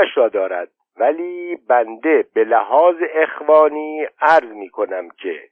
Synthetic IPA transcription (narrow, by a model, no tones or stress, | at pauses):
æʃɾɒːd̪ɒːɾæ̰d̪̥̚ | væliːbænd̪e̞belæɦɒːzeʔexvɒːniːæɾzmiːkʰo̞næmcʰḛ